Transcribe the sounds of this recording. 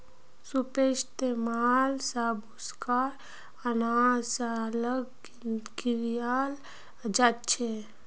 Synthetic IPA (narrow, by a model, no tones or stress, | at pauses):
supeʃt̪emalsabuskaɾ | ənasaləɡ | ɡiɾijal | d͡ʒat̪t͡ʃʰe